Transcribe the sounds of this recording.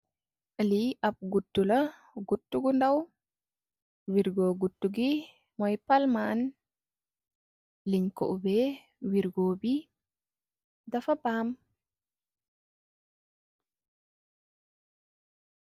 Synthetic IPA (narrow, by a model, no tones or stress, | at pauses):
ʔaliap̚ɡutːula | ɡutːuɡundaw | wiɾɡɔɡutːuɡi | mɔjpalman | liɲkɔ̰ʔubɛ | wiɾɡɔbi | dafabam